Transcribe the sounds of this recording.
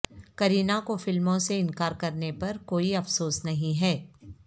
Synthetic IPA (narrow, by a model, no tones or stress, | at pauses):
kɐɾiːnakofɪlmõseɪnkaːɾkɐɾnepɐɾkoːiɐfsoːsnɐɦĩɦɛː